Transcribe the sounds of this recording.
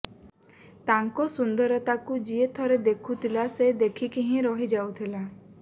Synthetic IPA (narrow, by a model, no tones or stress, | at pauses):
t̪aŋkɔsund̪ɔɾɔt̪akud͡ʒiet̪ʰɔɾed̪ekʰut̪ʰilased̪ekʰikiɦĩɾɔɦid͡ʒawt̪ʰila